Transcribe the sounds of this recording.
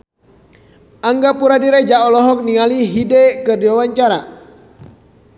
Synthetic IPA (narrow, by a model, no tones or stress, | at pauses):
aŋɡapuɾadiɾɛd͡ʒaʔɔlɔɦɔk̚niŋaliɦidɛkɨrdiwawaɲt͡ʃaɾa